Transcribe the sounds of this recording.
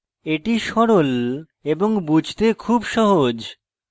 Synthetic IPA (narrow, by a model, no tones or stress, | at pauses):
eʈiʃɔɾol | eboŋbud͡ʑʱt̪ekʰubʃɔɦod͡ʑ